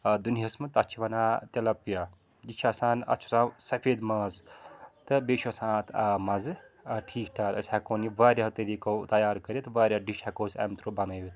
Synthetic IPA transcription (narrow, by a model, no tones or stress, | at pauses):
d̪uniɦɐsmɐt̪ɐt͡ʃʰiʋɐnaːt̪ʲɐlɐpija | d͡ʒit͡ʃʰasaːnɐ̰t͡ʃʰusãːsɐpʰeːd̪mɐːzt̪ɨbeːʃɐsãːt̪ʰɐmɐzɨɐʈʰiːkʈʰaːɾɐ̰sʲakoːniʋaːɾʲat̪ɐlikot̪ɐjaːɾkɐɾjet̪ʋaːɾʲjaɖiʃhakoːsʲɐ̰ːmt̪ɾobɐnɐjit̪